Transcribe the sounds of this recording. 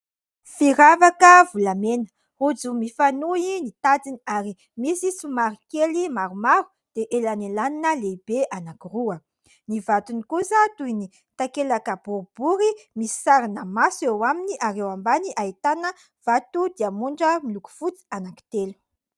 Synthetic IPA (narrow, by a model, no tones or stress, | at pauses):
fiɾavakəvulamenə̥ | ud͡zumifanuinit̪ad͡ziniaɾi | misisumaɾikelimaɾumaɾu̥ | d̪̥eʔelanelaninəleib̥eʔanakiruə | nivat̪unikusət̪ujni | t̪akelakəb̥uɾbuɾimisi̥saɾinəmasuewaminiʔaɾewambaniʔait̪anə | v̥at̪ud̪iamuɳɖ͡ʐəmiluku̥fut͡si̥anaki̥t̪elu̥